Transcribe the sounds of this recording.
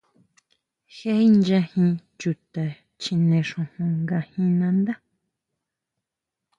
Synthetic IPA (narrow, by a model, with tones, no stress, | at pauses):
xe˦i˦nd͡ʒã˧hĩ˧ | t͡ʃu˨t̪a˨ | t͡ʃĩ˧nẽ˧ʂũ˧hũ˧ŋɡa˧hĩ˧nã˧nd̪a˦